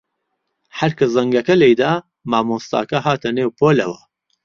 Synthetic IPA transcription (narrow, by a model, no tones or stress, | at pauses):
ħɐɾkɨzɐŋɡɐkɐlejd̪aː | maːmoːst̪a̰ːkɐɦaːt̪ʰɐneːwpʰoːlɐ̰wɐ